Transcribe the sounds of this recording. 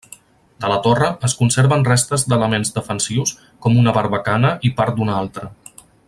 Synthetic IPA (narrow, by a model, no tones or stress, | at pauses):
d̪ələt̪orəəskunseɾβənrest̪əzd̪ələmenzd̪əfənsiws | kɔmunəβəɾβəkanəʔipaɾt̪̚d̪unalˠt̪ɾə